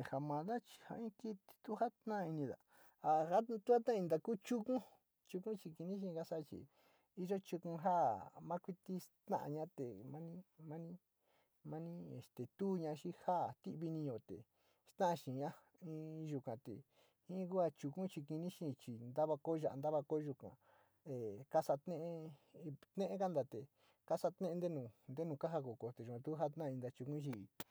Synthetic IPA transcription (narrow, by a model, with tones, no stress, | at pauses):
e˨ha˨mã˨ða˦t͡ʃi̥˧ha̰˧ĩ˦ki˦t̪i̥˧t̪u˦ha˦t̪nã˦˧i˧nĩ˧ða̰˨ | a˧ha˦t̪u˦a˦t̪ã˦˧ĩ˧d̪a˧ku˦t͡ʃu˦kũ˦ | t͡ʃu˧kũ˦t͡ʃi˧ki˧nĩ˦ʃ̬ĩ˧ka˦sa˦˧t͡ʃḭ˧ | i˦ʒo˦t͡ʃu˧kũ˧ɦa˦mã˦kʷi˦t̪i˦st̪ã̰˦ʔa̰˧ɲã˦t̪e˨mã˦nĩ˦mã˦nĩ˦ | mã˦nĩ˦ḛ˧˨st̪e˨t̪u˦ɲã˧ʃĩ˦ha˦˨t̪i˦ʔβi˧nĩ˧jo˨t̪ḛ˨ | st̪ã˦ã˧ʃĩ˨˧ɲã˦ | ĩ˧˦ʒu˧kã˨t̪ḛ˨ | ĩ˦ku˦a˧t͡ʃu˧kũ˦t͡ʃi˧ki˧nĩ˦ʃĩ˦˧t͡ʃi˧nd̪a˦βa˧ko˦˧ʒa˧˨ʔnd̪a˦βa˧ko˦ʒu˧kã̰˨ | e˨ka˦sa˧t̪nẽ˦ʔ | t̪nẽ˦ʔe˦ka˦nd̪a˧t̪e˨ | ka˦sa˧t̪nẽ˦ʔe˧nd̪e˦nũː˧˨nd̪e˦nũ˧ka˦ɦa˧ko˨ko˧t̪e˨ʒu˨kã˧t̪u˦ɦa˦t̪nã˦˧ĩ˧nd̪a˧t͡ʃu˧kũ˦ʃi˧˨˧